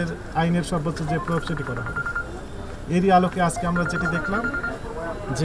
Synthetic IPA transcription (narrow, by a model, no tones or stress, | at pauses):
eɾ | ajneɾsɔbːɔsʰod͡zepɾɔjokseʈ̬ikɔɾaɦo̰lo | eɾialokead͡zkeɦamɾad͡zeʈid̪ekʰlam | d͡ʒe